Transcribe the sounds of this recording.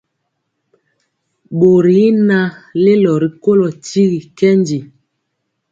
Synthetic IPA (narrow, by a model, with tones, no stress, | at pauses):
ɓo˨ɾi˨˦na˦le˦lɔ˨ɾi˨ko˦lɔ˨ti˦ɣi˨kɛ˦ndi˨